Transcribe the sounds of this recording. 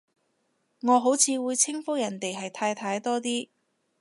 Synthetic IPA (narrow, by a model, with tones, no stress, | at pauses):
ŋɔː˨˧ɦo˨˥wt͡sʰiː˨˧wuː˨˧jt͡sʰɪ˥ŋfʊ˥jɐ˨˩nt̪e˨jɦɐ˨jt̪ʰaː˧jt̪ʰaː˧jt̪ɔː˥t̪̬iː˥